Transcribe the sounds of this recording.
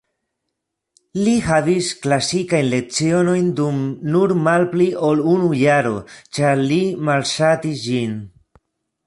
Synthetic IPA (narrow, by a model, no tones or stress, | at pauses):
lihavisklasikajnle̞k̚t͡sio̞no̞jndumnuɾmalpliʔo̞lunujaɾo̞̰t͡ʃaɾlimalʃat̪isd͡ʒin